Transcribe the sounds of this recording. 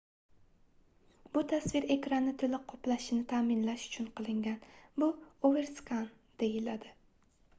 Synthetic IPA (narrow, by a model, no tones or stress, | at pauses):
bʊt̪ʰasvɪɾe̞kʲɾanɪt̪ʰɪlɪqʰɒplaʃɪnɪt̪ʰaːmɪnlaʃʊ̥t͡ʃʰʊnqʰɨlˠɪŋɡʲanbʊoveɾskan | d̪̥ejɪlad̪ɪ